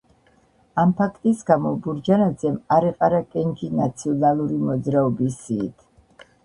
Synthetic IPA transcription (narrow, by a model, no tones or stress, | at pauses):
ampʰakʰt̪ʼisɡamɔbuɾd͡ʒanad̪zɛmaɾɛqʼaɾakʼɛŋd͡ʒinat̪sʰiɔnalˠuɾimɔd̪zɾaɔbisiːt̪ʰ